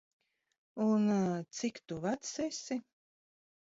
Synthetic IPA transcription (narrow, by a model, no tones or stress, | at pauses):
unt̪sikt̪uvat̪sɛsʲi